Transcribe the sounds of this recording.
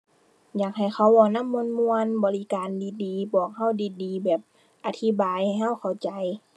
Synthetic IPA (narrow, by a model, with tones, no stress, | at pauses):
jaː˨˩k̚ha˨˩jxʰa˧˩wɔː˧˩na˧˥˨mːu˧nmu˧ənbɔː˨˧li˧kaː˨ndiː˨diː˨bɔː˨˩k̚ha˧˥˩wdiː˨diː˨bɛː˨˩p̚ | ʔa˧t̪ʰi˧˥˨baː˨jha˨˩jɦa˧˥˩wkʰa˨˩wt͡ɕa˨˧j